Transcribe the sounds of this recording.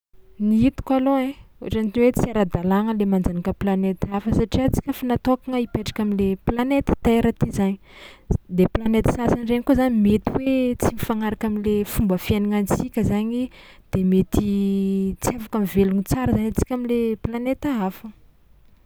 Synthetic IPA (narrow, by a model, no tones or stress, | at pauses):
niit̪u̥kaloẽoaʈ͡ʂant̪inwet͡siaɾad̪alaŋəlemand͡zanakəplanet̪afəsaʈ͡ʂiat͡si̥kʲəfanat̪okaŋəipeʈ͡ʂḁkamileplanet̪ə̥t̪aeɾat̪izaɲid̪eplanet̪sasanreŋikozanimet̪iwet͡simifaŋaɾakamilefumbəfianiŋant͡sikʲəzaɲid̪̥emet̪i | t͡siavakamiveluŋit͡saɾəzanat͡si̥kʲamileplanet̪aafə